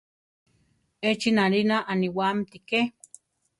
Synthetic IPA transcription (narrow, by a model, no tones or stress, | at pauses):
et͡ʃinalinaʔaniwamt̪ike